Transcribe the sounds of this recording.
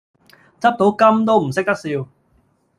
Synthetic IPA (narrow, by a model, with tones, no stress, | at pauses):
t͡sɐ˥p̚t̪o˨˥wkɐ˥mt̪o˥wm̩˨˩sɪ˥k̚t̪ɐ˥k̚siː˧w